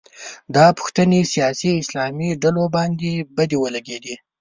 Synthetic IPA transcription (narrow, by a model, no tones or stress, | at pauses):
d̪ɑpʊ̥xt̪ənesijɑsiɪslɑmiɖalobɑnd̪ebad̪ewəlaɡed̪i